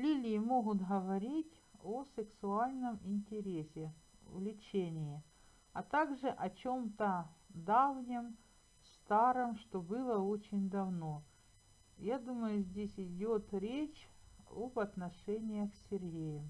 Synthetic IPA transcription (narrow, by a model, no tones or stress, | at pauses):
lʲilʲɪjɪmo̞ɣʊt̪ɣəvɐɾʲitʲ | osɨksʊalʲnəmɪnʲtʲɪɾʲesʲɪ̰ | vlʲɪt͡ɕenʲɪjɪ | ɐt̪aɡʐɨʔɐt͡ɕo̞mt̪əd̪avnʲɪm | st̪aɾɨmʂt̪o̞bɨlˠəot͡ɕɪnʲd̪ɐvno | jad̪uməjʊzʲdʲesʲɪdʲot̪ɾʲet͡ɕobɐt̪nɐʂɛnʲɪjəxsʲːɪrɦʲejɪm